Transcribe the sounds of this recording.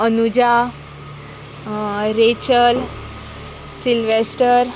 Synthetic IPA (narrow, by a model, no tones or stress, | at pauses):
ənud͡ʑa | ɾet͡ɕəl | silʋesʈəɾ